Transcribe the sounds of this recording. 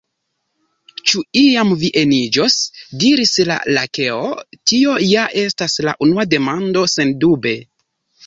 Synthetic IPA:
t͡ʃuiamviʔe̞nid͡ʒo̞sdiɾisla̰lake̞otio̞jaʔe̞stasla̰ʔunuade̞mando̞se̞ndube̞

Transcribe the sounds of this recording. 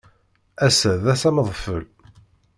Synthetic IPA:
æsəðæsæmðˤfəl

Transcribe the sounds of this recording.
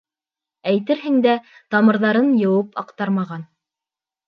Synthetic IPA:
æjt̪ɘɾɦɘ̆ŋd̪æt̪ɑmɤ̆ɾðɑɾɤnjɤ̆wɤpɑqt̪ɑɾmɑʁɑn

